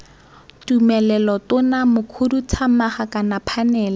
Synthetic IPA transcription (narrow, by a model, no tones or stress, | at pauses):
tumɛlɛlɔtʊnamʊkʰudut͡sʰamaχakanapʰanɛːla